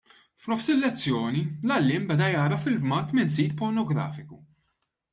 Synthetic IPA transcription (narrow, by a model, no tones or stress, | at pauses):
fnɔfsɪlːɛt͡sːjɔːnilɐlːɪːmbɛd̪ɐjɐːɾɐfɪlbmɐt̪mɪnsiːt̪pɔɾnɔɡɾɐ̰ːfɪku